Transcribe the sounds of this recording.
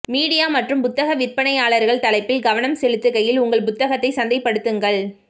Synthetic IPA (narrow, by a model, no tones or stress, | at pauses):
miːɽɪjaːmɐʈrɯmpʊt̪ːɐɣɐʋɪɾpɐnɐɪaːɭɐɾɣɐɭt̪ɐlɐɪpːɪlɡɐʋɐnɐmsɛlɯt̪ːɯkɐjɪlʊŋɡɐɭpʊt̪ːɐɣɐt̪ːɐɪsɐnd̪ɐɪpːɐɽɯt̪ːɯŋɡɐɭ